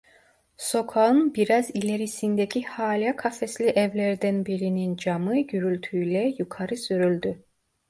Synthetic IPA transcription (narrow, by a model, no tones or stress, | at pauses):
so̞kʰaɯnbiɾazilʲeɾisind̪ecʰihaːlʲakʰafɛslʲiʔɛvlʲæɾd̪ænbiɾinind͡ʒamɯɟyɾylʲt̪ʰyjlʲɛjukʰaɾɯsyɾylʲd̪y